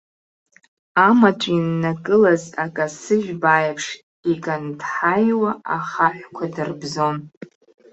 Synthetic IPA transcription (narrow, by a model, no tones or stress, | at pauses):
amat͡ʃʷʼinːakʼɨlazakʼasɨʒᶣbajapʰʂ | ikʼandħajwaaχaħᶣʷkʷʰadɨrbzo̞n